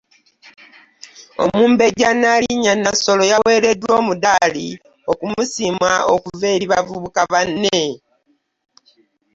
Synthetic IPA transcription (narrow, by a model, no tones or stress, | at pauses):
o̞̰muːmbe̞ɟanːaliɲanaso̞lojawe̞ːɾe̞dwo̞ːmudali | o̞kumusimwaokuve̞ːɾiβavuβukavanːe